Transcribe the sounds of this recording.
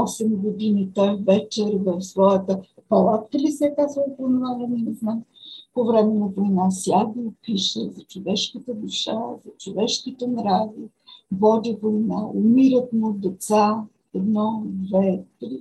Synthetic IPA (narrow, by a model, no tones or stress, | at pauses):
ɔsɛmɡod̪init̪ɔjvɛt͡ʃɛɾvəfsvɔjət̪əpɐlˠat̪kəlisɛkasəpɾonʊvaləninɛznampovɾɛmɛnɐvojnasjaɡəʊpiʃɛ̰zɐt͡ʃovɛʃkət̪əd̪ʊʃa̰zɐt͡ʃovɛʃkit̪ɛnɾazi | vɔd̪ivojnaʊmiɾət̪mʊd̪ɛt̪sa | ɛd̪nɔd̪vɛk̪li